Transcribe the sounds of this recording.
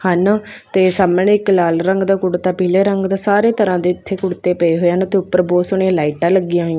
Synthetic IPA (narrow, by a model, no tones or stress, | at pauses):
hənt̪eːsaːmnẽːɪklaːlɾəŋɡd̪aːkʊɽt̪aːpiːleːɾəŋɡd̪aːsaːɾeːt̪əɾãːd̪eːɪt̪ʰːeːkʊɽt̪eːpəeːɦoːeːənt̪eːʊpːəɾboːsʊɳeãlaːiʈãːləɡɪjãːɦjãː